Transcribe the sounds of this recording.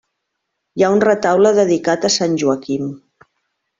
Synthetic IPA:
jaunrət̪awləðəðikat̪əsanʲʒuəkim

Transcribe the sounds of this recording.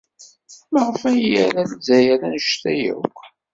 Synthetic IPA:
məʁəfæjjæɾæləzæjæɾænəʃt̪æjə̰kʷː

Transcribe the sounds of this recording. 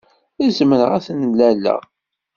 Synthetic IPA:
æzməɾʁæθnlːælːæ̰ʁ

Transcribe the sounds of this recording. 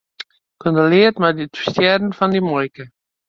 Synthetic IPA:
kɔnd̪əlɪːətmaditu̥stjɛːdənfɑndimɔjkə

